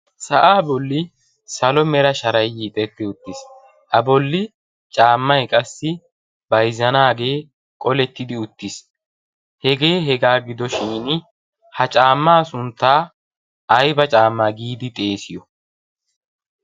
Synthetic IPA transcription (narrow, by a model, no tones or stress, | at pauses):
sɐʔaːbɔlːɪ | sɐlɔmɛɾɐʃɐɾɐjːiːt̪ʼɛt̪ːɪʊt̪ːɪs | ʔɐbɔlːɪ | t͡ʃʼaːmːɐjkʼɐsːɪ | bɐjzːɐnaːɡe̞ː | kʼɔlɛt̪ːɪd̪ɪʊt̪ːɪs | hɛɡe̞ːɦɛɡaːɡɪd̪ɔʃiːn | hɐt͡ʃʼaːmːaːsʊnt̪ːaː | jbɐt͡ʃʼaːmːaɡiːd̪ɪt̪ʼe̞ːsɪjɔ